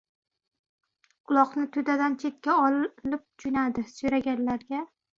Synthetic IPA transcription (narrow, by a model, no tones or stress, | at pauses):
qʊlˠɒqnɪt̪ʰʊd̪ad̪ant͡ʃʰe̞t̪̚kʲaɒllɪp̚t͡ʃʰʊnad̪ɪsʊjɾaɡʲanlaɾɡʲa